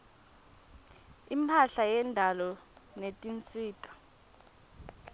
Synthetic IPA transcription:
impʰaɬajɛndʱalɔnetʼint͡sʼiːtʼḁ

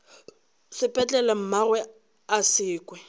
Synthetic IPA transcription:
sɪpʼɛt͡ɬʼɛlam̩marwɛ | asɪːkʼwɛ

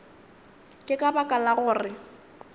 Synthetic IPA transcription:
kʼɪkʼabakʼalaɣʊːrɪ

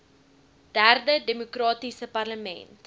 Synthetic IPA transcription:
d̥ærdədemokrɑːtisəpɐrləmɛ̰nt

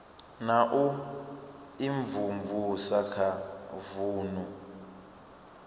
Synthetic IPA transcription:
naʔu | iɱvumvusakʰavuːnu

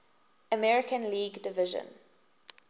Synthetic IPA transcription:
əmɛɹɪkə̃nliːɡdɪvɪʒə̰̃n

